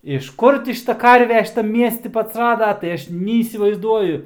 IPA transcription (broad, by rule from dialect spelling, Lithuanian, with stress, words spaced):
ɪʃ ˈkʊr tʲɪ ˈʃʲɪtɐ ˈkɐrʲʋʲɛ ʃʲɪˈtɐm ˈmʲiɛsʲtʲɪ tʲɪ ɐtsˈrɑːdɐ tɐɪ ˈɐʃ nʲɛiːsʲɪʋɐɪzˈduɔjʊ